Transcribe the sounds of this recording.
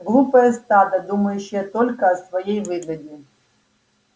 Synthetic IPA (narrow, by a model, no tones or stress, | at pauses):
ɡɾˠupɐɐst̪ad̪ɐd̪umɐjuɕɪjɐt̪ɔlʲkɐɐsʋɐjejvɪɡ̪ɐdʲɪ